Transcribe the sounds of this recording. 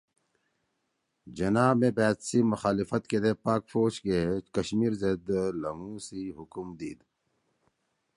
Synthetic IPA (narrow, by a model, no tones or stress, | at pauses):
d͡ʑɐnaːmẽbɛːt̪simʊxaːlifɐt̪ked̪epaːkfoːɕkekɐɕmiːɾzed̪lɐŋũsiɦukumd̪ḭːd̪